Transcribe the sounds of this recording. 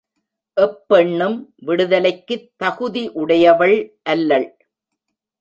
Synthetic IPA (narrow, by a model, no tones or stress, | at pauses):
ʔɛpːɛɳːɯmʋɪɽɯðɐlɐɪkːɯt̪ːɐɣʊðiʔʊɽɐjɐʋɐɭʔɐlːɐɭ